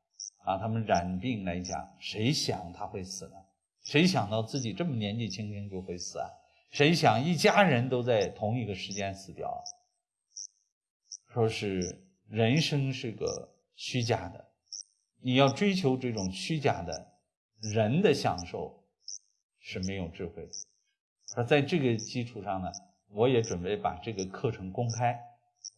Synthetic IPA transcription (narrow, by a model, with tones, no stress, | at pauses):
a˧˩t̪ʰa˥mə˨nɻa˨˩npi˥˩ŋla˧˥ɪt͡ɕjɑ̰˨˩˦ŋʂe˧˥ɪɕjɑ̰˨˩ŋt̪ʰa˥xwe˥˩ɪsɹ̩˨˩nə˦ | ʂe˧˥ɪɕjɑ˨˩ŋt̪ɑ˥˧ʊt͡sɹ̩˥˩t͡ɕi˨˩ʈ͡ʂɤ˥˩mə˩njɛ˧˥nt͡ɕi˥˩t͡ɕʰi˥ŋt͡ɕʰi˥ŋt͡ɕjo˥˧ʊxwe˥˩ɪsɹ̩˨˩a̰˧˩ | ʂe˧˥ɪɕjɑ˨˩ŋi˥˩t͡ɕja˥ɻə˧˥nt̪o˥ʊt͡sa˥˩ɪt̪ʰʊ˧˥ŋi˧˥ɡə˧ʂɻ̩˧˥t͡ɕjɛ˥nsɹ̩˨˩t̪jɑ̰˨˩ʊ | ʂwɔ˥ʂɻ̩˥˩ | ɻə˧˥nʂɤ˥ŋʂɻ̩˥˩ɡə̰˩ | ɕy˥t͡ɕja̰˥˩d̪ə̰˩ | ni˨˩jɑ˥˩ʊʈ͡ʂwe˥ɪt͡ɕʰjo˧˥ʊʈ͡ʂɤ˥˩ʈ͡ʂʊ˨˩ŋɕy˥t͡ɕja̰˥˩d̪ə̰˩ | ɻə˧˥nd̪ə˧ɕjɑ̰˨˩ŋʂo˥˩ʊ | ʂɻ̩˥˩me˧˥ɪjo˨˩ʊʈ͡ʂɻ̩˥˧xwe˥˩ɪd̪ə˩˥˧ | t͡sa˥˧ɪʈ͡ʂɤ˥˩ɡə˩t͡ɕi˥ʈ͡ʂʰu˨˩ʂɑ˥˩ŋnə˩ | wɔ˧˥jɛ˧˥ʈ͡ʂwə˨˩npe˥˩ɪpa̰˨˩ʈ͡ʂɤ˥˩ɡə˩kʰɤ˥˩ʈ͡ʂʰɤ˧˥ŋkʊ˥ŋkʰa˥ɪ